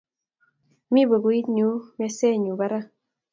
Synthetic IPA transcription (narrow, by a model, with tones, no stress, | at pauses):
mi˦bo˨ɡo˨i˦t̪ɲu˦mɛ˦sɛ˦˨ɲu˨ba˨ɾa˦